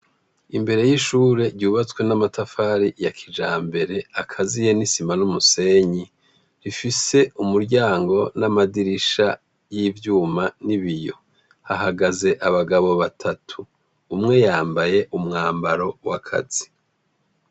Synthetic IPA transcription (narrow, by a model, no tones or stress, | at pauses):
imbe̞ɾe̞jiʃuːɾe̞ɾɟuːβat͡swe̞namatafaːɾijakʰid͡ʒaːmbe̞ɾe̞akʰazijenisimanumuse̞ːɲi | ɾifise̞umuɾɟaːŋɡo̞namadiɾiʃa | jivjuːmaniβijo̞̰ | haɦaɡaze̞ʔaβaɡaβo̞βatʰatʰuː | mŋe̞jaːmbaje̞ʔumŋaːmbaɾo̞wakʰa̰z̥i̥